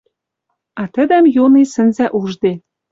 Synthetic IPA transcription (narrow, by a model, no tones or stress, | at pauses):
ɑt̪ə̆d̪æmjonesə̆nzæʔuʒd̪e